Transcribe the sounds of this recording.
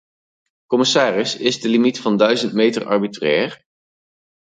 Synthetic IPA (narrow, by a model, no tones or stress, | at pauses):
kɔmɪsaːrɪsɪzdəlimitfɑndœɥzəntmejtərɑ̰ɹbitrɛːɹ